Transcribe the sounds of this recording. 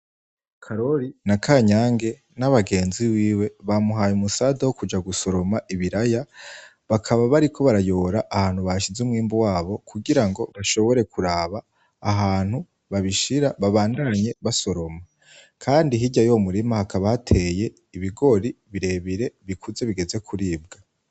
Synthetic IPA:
kʰaɾo̞ɾinakʰaɲaːŋɡe̞ | naβaɡe̞ːnziwiːwe̞βamuɦajumusaːdawokud͡ʒaɡuso̞ɾo̞maʔiβiɾaja | βakʰaβaβaɾikʰo̞βaɾajo̞ɾaʔahaːn̥huβaʃizumŋiːmbuwaːβo̞kʰuɡiɾaŋɡo̞βaʃo̞βo̞ɾe̞kʰuɾaːβaː | ɦaːnhu | βaβiʃiɾaβaβaːndaɲe̞βaso̞ɾo̞ma | kʰaːndiɦiɟajomuɾimahakaβahatʰe̞je̞ | iβiɡo̞ɾiβiɾe̞ːβiɾe̞βikʰuze̞βiɡe̞ze̞kʰuɾiːb̚ɡa

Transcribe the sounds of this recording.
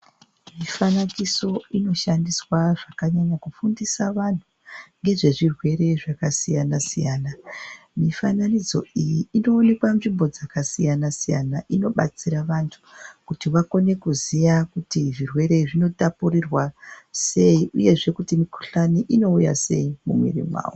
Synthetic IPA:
mifanakiso̞ino̞ʃandiswaʐakaɲaɲakufundisaʋan̤u | ŋɡe̞ʐe̞ʐirwe̞ɾe̞ʐakasijanasijaːna | mifananid͡zo̞̰ijiːno̞ːne̞kwaɱʐimbo̞d͡zakasijanasija̰naʔino̞ɓa̰t͡siɾaʋantʰu̥kutiʋako̞ne̞kuzijakutiʐirwe̞ɾe̞ʐino̞tapuɾirwase̞iʔuje̞ʐe̞kutimiku̥ɬaniʔino̞uja̰se̞̰imumwḭrḭmwa̰ːwo

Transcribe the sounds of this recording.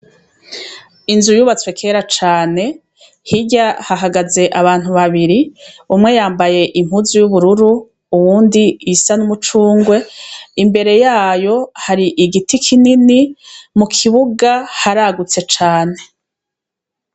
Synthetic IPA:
inzujuβat͡swe̞kʰe̞ɾat͡ʃaːne̞ | hiɟahaɦaɡaze̞ʔaβaːn̥huβaβiɾiumŋe̞jaːmbaje̞ʔim̥huzujuβuɾuɾu | uwuːndiisanumut͡ʃuːŋɡwe̞imbe̞ɾe̞jaːjo̞haɾiʔiɡitikʰininimukʰiβuɡahaɾaɡut͡se̞t͡ʃaːne̞

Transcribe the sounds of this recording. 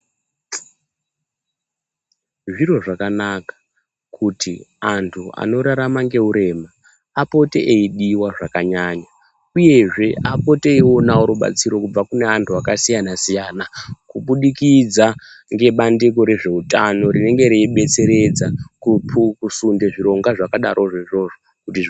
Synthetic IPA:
ʐiro̞ʐakanakḁ | kʰutʰiantʰua̰no̞ɾaɾamaŋɡe̞uɾe̞ma | apo̞teʔeiɗiwaʐakaɲaɲa | uje̞ʐe̞apo̞te̞io̞naoɾoɓa̰t͡siɾo̞kub͡vakune̞antʰuakasijanasijaːnakuɓuɗikid͡za | ŋɡe̞ɓandiko̞ɾe̞ʐe̞utano̞rine̞ŋɡe̞ɾeiɓe̞t͡se̞ɾe̞d͡zakupʰukusunde̞ʐiɾo̞ŋɡaʐakaɗaɾʔo̞ʐeʐo̞ʐo | kuti

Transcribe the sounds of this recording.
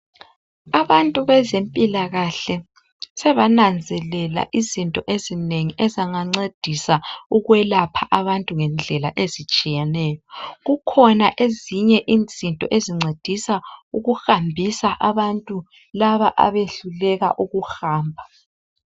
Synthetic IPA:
aβantʼuβɛzempʼilaɣaɬɛ | sɛβanand͡zʱɛlɛla̰ʔizintʼɔʔezineŋiʔɛzaŋaŋ͡ǀed̥ʱisauɣwɛlapʰaʔaβantʼuŋɛnd͡ɮʱɛlaʔezit͡ʃʼijɛnɛːjɔɣukʰɔnaʔeziɲɛʔiːnd͡zʱintʼɔ̰ʔeziŋ͡ǀed̥ʱisauɣuxambʱisaʔaβantʼu | laβaʔa̰βeɬulɛɣa̰ʔuɣuxaːmbʱa

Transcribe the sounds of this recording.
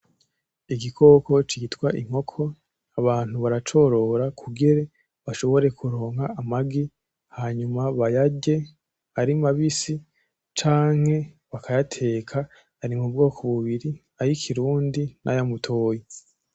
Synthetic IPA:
iɡikʰo̞ːko̞t͡ʃiːtkwaʔiŋ̥ho̞kʰo̞ | aβaːn̥huβaɾat͡ʃo̞ɾo̞ːɾakʰuɡeɾe̞ | βaʃo̞βo̞ɾe̞kʰuɾo̞ːŋhaːmaɡi | haɲumaβajaɟe̞ | haɾimaβisi | t͡ʃaːŋ̥he̞ | βakʰajatʰe̞ːkʰa | haɾimubɡo̞ːkʰo̞βuβiɾi | aɾikʰiɾuːndinʔa̰jamutʰoːje

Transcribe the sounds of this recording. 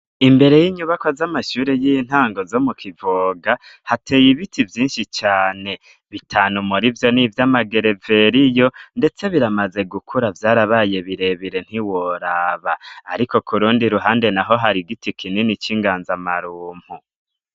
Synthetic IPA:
imbe̞ɾe̞jiːɲuβakozamaʃuːɾejin̥haːŋɡo̞zo̞mukʰivoːɡahate̞ːjiβitʰivjiːnʃit͡ʃaːne̞ | βitʰaːnumuɾivjo̞nivjamaɡe̞ɾe̞ve̞ɾijo̞nde̞t͡se̞βiɾamaze̞ɡukʰuɾavjaːɾaβaje̞βiɾe̞βiɾe̞n̥hiwoɾaːβaːɾiko̞kuɾuːndiɾuɦaːnde̞naɦo̞ɦaɾiɡitikʰinenit͡ʃiŋɡaːnzamaɾuːm̥hu

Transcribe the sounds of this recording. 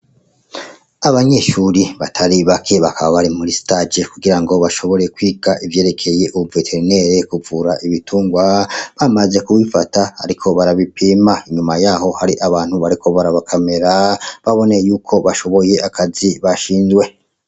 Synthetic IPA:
aβaɲe̞ʃuːɾiβatʰaɾiβakʰe̞βakaβaβaɾimuɾistad͡ʒekuɡiɾaŋɡo̞βaʃo̞βo̞ɾe̞kwiːɡaʔivje̞ːɾe̞kʰe̞je̞ʔuuvetʰeɾine̞ɾekuvuɾaʔiβituːŋɡwaβamaze̞kuwifataa̰ɾikʰo̞βaɾaβipimaiɲumajaːɦo̞haɾiʔaβaːn̥huβaɾikʰo̞βaɾaβakʰame̞ɾaβaβo̞nejuːkʰo̞βaʃo̞βo̞je̞ʔakʰaziβaʃiːnzɡwe̞

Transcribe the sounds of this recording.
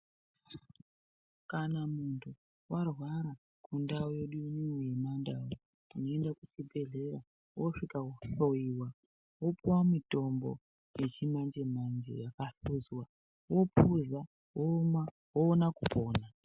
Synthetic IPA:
kanamuntʰu | warwaɾa | kʰundaojoɗuniojemandawo | uno̞endakut͡ʃibʱe̞ɮe̞ɾa | woʂikauɬo̞iwa | wopuwamito̞mbo̞̰ | je̞t͡ʃimand͡ʒemand͡ʒḛjakaɬuzwa | wo̞pʰuza | woma | woːnakupʰo̞ːna

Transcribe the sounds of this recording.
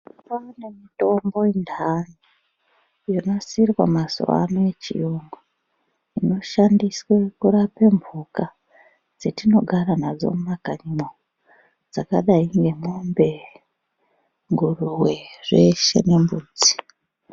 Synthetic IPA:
panemito̞mbo̞indani | jino̞sirwa̰maso̰a̰noet͡ʃḭjuŋɡu | ino̞ʃandiswekuɾape̞mvuka | d͡zetino̞ɡʱaɾanad͡zo̞̰mumakaɲimo | d͡zakaɗaiŋɡe̞mombe̞ | ŋɡuruwe̞re̞ʃḛnembuːd͡zi̥

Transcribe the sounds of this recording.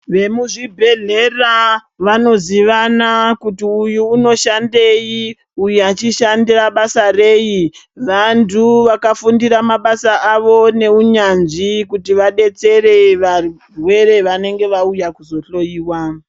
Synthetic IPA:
ʋe̞muʐibʱe̞ɮe̞ra | ʋano̞ziʋanakutiujuːno̞ʃande̞ji | ujat͡ʃiʃandiraɓasare̞ːji | ʋantʰuʋakafundiɾamaɓasaʔaʋo̞ne̞uɲanʐikutiʋaɗe̞t͡se̞re̞ʋar | rwe̞ɾe̞ʋane̞ŋɡe̞ʋaujakuzo̞ɬo̞jiːwa

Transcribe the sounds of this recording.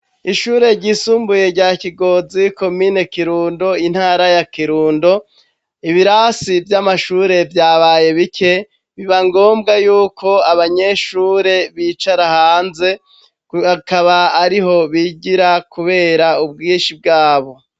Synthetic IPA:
iʃuːɾe̞ɾɟiːsuːmbuje̞ɾɟaːciɡo̞ziko̞miːne̞kiɾuːndo̞in̥haːɾajakiɾuːndo̞ | iβiɾasivjamaʃuːɾe̞vjaːβaje̞βikʰe̞ | βiβaŋɡo̞ːmbɡajuːkʰo̞aβaɲe̞ʃuːɾe̞βit͡ʃaɾahaːnze̞ | akaβaːɾiɦo̞βiɟiɾakuβe̞ːɾaub̚ɡiːnʃib̚ɡaːβo̞

